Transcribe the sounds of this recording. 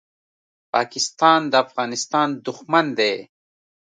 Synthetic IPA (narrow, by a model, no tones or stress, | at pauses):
paːkɪst̪aːnd̪əafɣɑːnist̪aːnd̪uxmɐnd̪eː